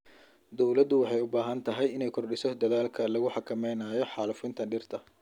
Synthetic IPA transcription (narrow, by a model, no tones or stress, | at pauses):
d̪ɔwlɐd̪ʊwɑħɑjʊbaːɦɐnt̪ʰɐɦɛjɪnɛjkʰɔrɖɪsɔd̪ɐðaːlkʰɐlɐɣʊħɑkʰɐmɛjnaːjɔħɑːlʊfɪnt̪ʰɐnɖɪrt̪ʰɐ